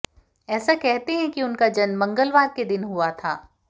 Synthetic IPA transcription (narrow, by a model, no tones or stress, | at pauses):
ɛːsakɛɦt̪eɦɛ̃kiʊnkad͡ʒɐnmɐ̃ŋɡəlʋaːɾ̚ked̪ɪnɦuat̪ʰa̰ː